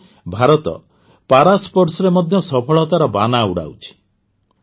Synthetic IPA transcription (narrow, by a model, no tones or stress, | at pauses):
bʱaɾɔt̪ɔ̰ | paɾaspɔɾsɔɾemɔd̪ʱjɔsɔpʰɔɭɔt̪aɾɔbanauɽa̰wt͡ʃʰi̥